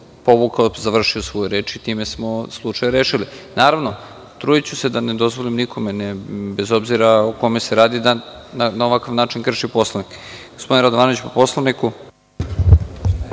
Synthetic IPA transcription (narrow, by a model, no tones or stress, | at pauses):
po̞βukazaʋr̩ʃiosʋo̞jeɾe̞ːt͡ʃit̪iːmesmo̞slˠut͡ʂajɾeːʃilinaːɾaʋno | t̪ɾuːjit͡ɕuse̞d̪aned̪o̞zʋolimnikʰo̞menebezo̞bziɾaoko̞meseɾaːd̪id̪a | nanaoʋakaʋnaːt͡ʃinkr̩ʃipo̞slˠaʋnikɡ̥ospo̞d̪inɾad̪oaːnoit͡ɕpopo̞slˠaniku